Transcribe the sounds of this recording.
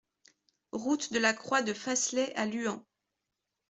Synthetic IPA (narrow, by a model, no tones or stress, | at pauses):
ʁut̪d̪əlakχwad̪əfaslɛʔalyɑ̃